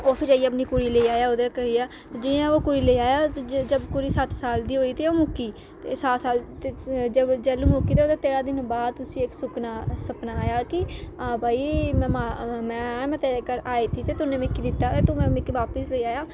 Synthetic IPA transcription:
oːpʰɪɾaːiəpniːkʊɾiːleiːaːjaːod̪eːkəɾiːaː | d͡ʒɪãːoːkʊɾiːleiːaːjaːd͡ʒəbkʊɾiːsət̪saːld̪iːɦoːiːt̪eːoːmʊkːiː | t̪eːsat̪saːlt̪ed͡ʒəbd͡ʒɛlũːmʊkiːt̪eoːt̪eːt̪eːɾaːd̪ɪnbaːd̪̚t̪ʊsĩːɪksʊknaːsəpnaːaːjaːkɪãːbʱaːiːm̃ːmamɛ̃ːmɛ̃ːt̪eɾeːkəɾaːiːt̪ʰiːt̪eːt̪ʊnẽːmɪkːiːd̪ɪt̪ːaːt̪eːt̪ʊmɛ̃ːmɪkiːʋaːpəsleːaːjaː

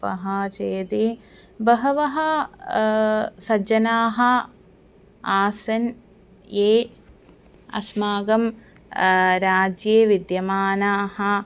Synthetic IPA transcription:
pɐ̰ɦɐt͡ʃeːd̪e | bɐɦɐʋɐɦɐ | sɐd͡ʒɐnaːɦɐ | aːsɐn | jeː | ɐ̰smaːɡɐm | ɾaːd͡ʒjeːʋid̪jɐmaːnaːɦɐ

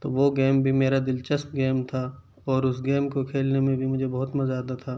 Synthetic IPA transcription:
t̪oːʋoɡeːmbʱimeːɾad̪ɪlt͡ʃəsp̪ɡeːmt̪ʰaː | ɔːɾʊsɡeːmkokʰeːlnemẽbʱimʊd͡ʒʱebɐɦʊt̪mɐzaːd̪at̪ʰaː

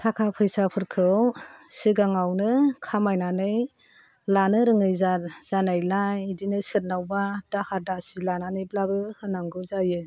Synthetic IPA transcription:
tʰakʰapʰɯjsapʰɯɾkʰɯwsiɡaŋawnɯkʰamajnanɯj | lanɯɾɯŋɯjzatz̥anajlajidinɯsɯɾ̚nawbadahaɾdasilananɯjblabɯhɯnaŋɡɯzajɯ

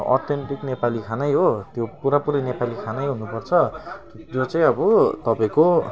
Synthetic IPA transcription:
ɔ̰t̪ʰenʈ̪iknepalikʰanajɦot̪jopuɾapuɾʌnepalikʰanajɦunupʌrt͡sʰʌ | t̪jot͡saj̃ʌbʌt̪ʌpaĩko

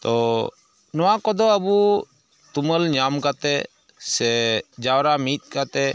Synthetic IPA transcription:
t̪ɔ | nɔwãkɔd̪ɔəbu | t̪uməlɲamkat̪ɛ | sɛd͡ʒawɾamit̪̚ˀkat̪ɛ

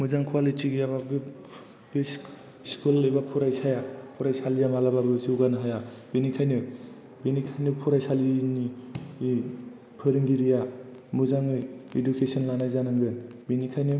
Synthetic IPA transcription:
muzaŋkʰwalitiɡijaβabi | bis | skulːɯjbapʰuɾajsajapʰuɾajsalijamalababɯzɯɡanaɦajabinikʰajnɯ | binikʰajnɯpʰuɾajsalini | pʰɯɾɯŋɡiɾija | muzaŋɯjidukesɯnlanajzanaŋɡɯnbinikʰajnɯ

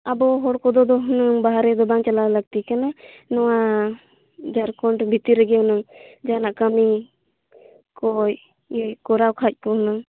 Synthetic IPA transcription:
abɔɦɔɽkɔd̪ɔd̪ɔɦunɯŋbaɦaɾɛd̪ɔbaŋt͡ʃalaləɡ̚t̪ikana | nɔwa | d͡ʒaɾkɔɳʈbʱit̪iɾəɡɛɦɔnɯŋd͡ʒanaʔkəmi | kɔj | jkɔɾawkʰac̚ˀpɔɦunɯŋ

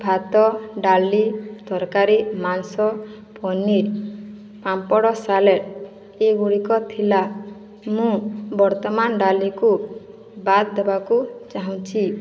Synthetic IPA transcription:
bʱat̪ɔɖalid̪̥ɔɾkaɾimansɔ | pɔniɾ | pampɔɽɔsaleɾ | eɡuɽikɔt̪ʰila | mũbɔɾt̪ɔmanɖaliku | bat̪d̪ebakut͡ʃaɦũt͡ʃʰi

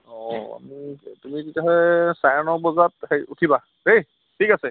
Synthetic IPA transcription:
ɔa̰mitumikitaɦɔjsajanɔbɔzatheutʰiba | hej | tʰikasɛ

